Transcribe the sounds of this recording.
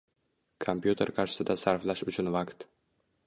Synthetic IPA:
kʰompjut̪ʰe̞ɾkʰɑɾʃɪ̥sɪd̪asaɾflaʃʊt͡ʃʰʊnvakt̪

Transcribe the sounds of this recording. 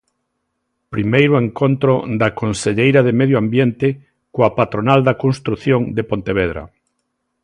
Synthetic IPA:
pɾimejɾoeŋkont̪ɾod̪ɐkonseʎejɾaðemeðjoambjent̪ɪ | koapat̪ɾonald̪akonst̪ɾuθjoŋd̪epont̪eβ̞ɛðɾɐ̰

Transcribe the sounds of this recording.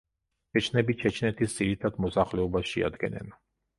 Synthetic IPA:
t͡ʃʰɛt͡ʃʰnɛbit͡ʃʰɛt͡ʃʰnɛt̪ʰisd̪z̥iɾit̪ʰad̪mɔsaχlɛɔbasʃia̰d̪ɡɛ̰nɛ̰n

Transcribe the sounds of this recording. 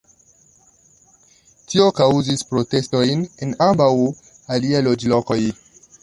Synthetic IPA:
tio̞kawzispɾo̞te̞sto̞jnenambaw | aliajlo̞d͡ʒlo̞ko̞j

